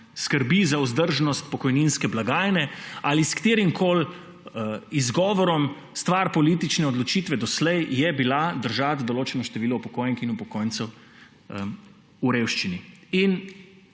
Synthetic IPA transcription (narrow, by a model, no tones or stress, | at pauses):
skəɾbizauzd̪əɾʒnɔst̪pɔkɔjninskɛblaɡaːjnɛaliskt̪eːɾimkʰoːl | izɡɔːʋɔɾɔm | st̪ʋaɾpɔliːt̪it͡ʃnɛɔd̪lɔt͡ʃit̪ʋɛd̪ɔslɛjjɛbilad̪əɾʒat̪d̪ɔloːt͡ʃɛnɔʃt̪ɛʋiːlɔwpɔkoːjnixinupɔkoːjnsɛw | uɾewʃt͡ʃiniin